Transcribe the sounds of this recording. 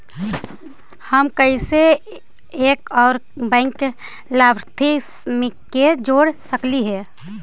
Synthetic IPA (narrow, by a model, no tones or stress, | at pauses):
həmkəise | eːkɔːɾ | bɛ̃ŋk | labʱɾt̪ʰismĩ | ed͡ʒoːɽsəkliɦɛː